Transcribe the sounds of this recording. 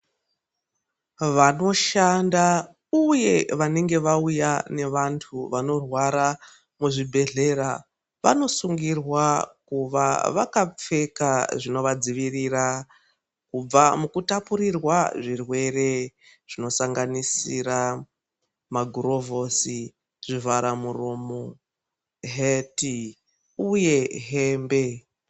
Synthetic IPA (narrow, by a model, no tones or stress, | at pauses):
ʋano̞ʃanda | uje̞ʋane̞ŋɡe̞ʋaujane̞ʋantʰuʋano̞rwaɾa | muʐibʱe̞ɮe̞ɾa | ʋa̰no̞suŋɡirwakuʋaʋa̰kap͡fe̞kaʐino̞ʋad͡ziʋirira | kub͡vamukutapuɾirwaʐirwe̞re̞ | ʐ̥ino̞saŋɡanisiɾa | maɡʱuro̞vo̞si | ʐ̥ivaɾamuromo | ɦeti | uje̞ɦeːmbe̞